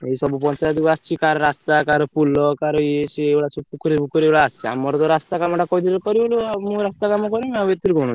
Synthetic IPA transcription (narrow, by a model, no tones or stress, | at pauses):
eisɔbupɔ̃nt͡ʃaad̪ikast͡ʃʰikaɾɔɾast̪akaɾɔpulɔkaɾɔet͡ʃieʋɭasupukɾipukɔɾeʋɭaːsia̰mːɔɾɔt̪ɔɾast̪akamɔʈakɔid̪iɾɔkɔɾioluamũɾast̪akamɔkɔɾimaʋet̪ːiɾikɔɽɔ̃